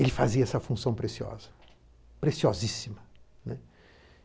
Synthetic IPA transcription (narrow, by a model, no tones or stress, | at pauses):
elɪfaziɐɛsɐfũsɐ̃w̃pɾesiɔ̰zɐ | pɾesiozisimɐnɛ